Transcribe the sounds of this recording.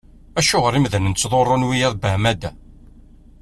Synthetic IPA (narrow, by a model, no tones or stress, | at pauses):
æʃʊʁəɾˤimðənənt͡sːðˤorˤːonwijæðbəmæd̪æ